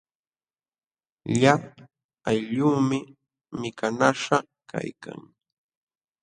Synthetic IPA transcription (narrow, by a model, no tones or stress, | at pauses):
ʎap̚ | ajʎuːmɪ | mɪkanaʂɑ | ka̰jka̰ŋ